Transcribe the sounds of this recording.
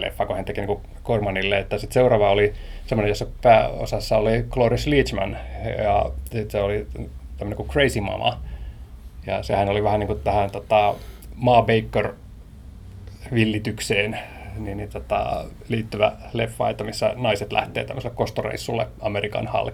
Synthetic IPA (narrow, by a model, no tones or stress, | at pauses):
lḛfːɑkohænt̪ekiniːku | kormɑnilːeet̪ːæsit̪seurɑːʋɑolisemːonejosːɑpæːo̰sɑsːɑoliklorisliːt͡ʃmæ̰njɑ̰sit̪seolit̪æmːønekukreisimɑ̰mɑ̰ | jɑsehænoliʋæhæniːŋkut̪æhænt̪ot̪ɑ | mɑːbeikːør | ʋilːit̪ykseːnninnit̪ot̪ɑ̰liːt̪ːyʋæ̰lefːɑ̰ˑet̪ːæmisːæ̰nɑiset̪læ̰ht̪ḛːt̪æmːøselːekost̪orḛisːulːḛɑmerikɑ̰nhɑ̰lk